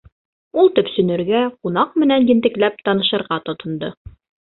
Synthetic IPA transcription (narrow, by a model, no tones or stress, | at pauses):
ulˠt̪ɵ̆psɵ̆nɘ̆ɾɡæqunɑq̚mɘ̆nænjɘ̆nt̪ɘ̆klæp̚t̪ɑnɤ̆ʃɤ̆ɾʁɑt̪ŏt̪ŏnd̪ɤ